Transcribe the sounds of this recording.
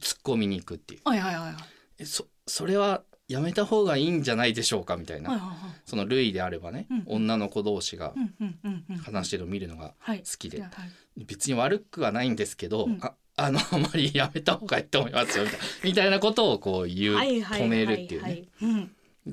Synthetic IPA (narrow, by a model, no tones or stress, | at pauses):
t͡sɨ̥kːo̞mʲiɲ̟iːkɯ̟t̪ːe̞̰ɯ̟ | eso | so̞ɾe̞βa | jame̞t̪aho̞ːɡaiːɲ̟d͡ʑanaid̪e̞ɕo̞ːkamʲit̪a̰inaso̞no̞ɾɯ̟id̪e̞aɾe̞bane̞õ̞nːano̞ko̞d̪o̞ːɕiɡa̰ | hanaɕi̥t̪eɾomʲiɾɯ̟no̞ɡa̰sɨ̥kʲid̪e̞ | be̞t͡sɨɲ̟iβ̞aɾɯ̟kːɯ̟βanaĩnd̪e̞sɨ̥ke̞d̪o̞ | ano̞amaɾʲijame̞t̪aho̞ːɡaiːt̪ːoːmoimʔasɨjo̞mʲit̪amʲit̪ainako̞t̪o̞ːko̞ːjɯːko̞me̞ɾɯ̟t̪ːejɯne̞